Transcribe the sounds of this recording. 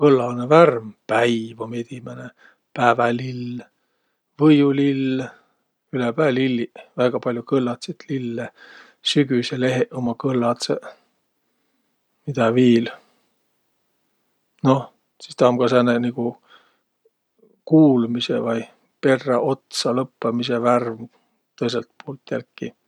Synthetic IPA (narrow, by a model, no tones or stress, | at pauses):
kɤlːɑlneværmpæjvomet̪imæne | pæːvælil | vɤjulilː | ylepæːlilːivæɡ̥ɑpɑlʲjukɤlːɑt̪set̪lilːe | syɡ̥yseleɦeʔomɑkɤlːɑt̪se | mid̪̥ɑviːl | no̞ | si̥st̪ɑmɡ̥ɑsæneniku | kuːlmisḛvɑj | pe̞rːɑʔo̞t̪sɑlɤpːɑmiseværm | t̪ɤjs̬elt̪̚poːlt̪jælkːi